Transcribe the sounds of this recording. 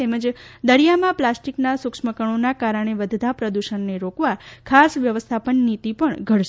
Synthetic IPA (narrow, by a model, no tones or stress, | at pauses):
eməd͡ʒd̪əɽijamãplasʈiknasʊkʂməkəɳ̃onakaɾəɳ̃eʋəd̪ʱd̪ʱapɾəd̪uʃənːeɾokʋakʰasʋjəʋəst̪ʰapənːit̪ipəɳɡʱəɽʃ